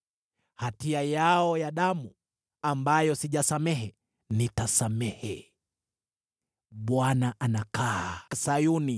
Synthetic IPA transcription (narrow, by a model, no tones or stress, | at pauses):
hatiajaɔjaɗamu | ambajɔsiʄasamɛhɛ | nitasamɛhɛ | ɓwanaʔanakasajuni